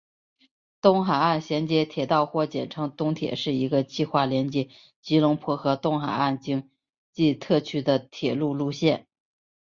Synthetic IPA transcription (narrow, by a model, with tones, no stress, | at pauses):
t̪ʊ˥ŋxa˨˩a˥˩nɕjɛ˧˥nt͡ɕjɛ˧˥t̪ʰjɛ˨˩t̪ɑ˥˧ʊxwɔ˥˩t͡ɕjɛ̰˨˩nʈ͡ʂʰɤ˧˥ŋt̪ʊ˥ŋt̪ʰjɛ̰˨˩ʂɻ̩˥˩i˧˥ɡə˧t͡ɕi˥˧xwa˥˩ljɛ˧˥nt͡ɕjɛ˨˩ | t͡ɕi˧˥lʊ˧˥ŋpʰwɔ˧˥xɤ˧˥t̪ʊ˥ŋxa˨˩ɪa˥˩nt͡ɕi˥ŋ | t͡ɕi˥˧t̪ʰɤ˥˩t͡ɕʰy˥d̪ə˨t̪ʰjɛ˨˩lu˥˧lu˥˧ɕjɛ˥˩n